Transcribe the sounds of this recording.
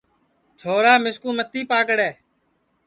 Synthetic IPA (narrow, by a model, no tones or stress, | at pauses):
t̪ʰoːɾaːmɪskũːmət̪ːiːpaːkəɽɛː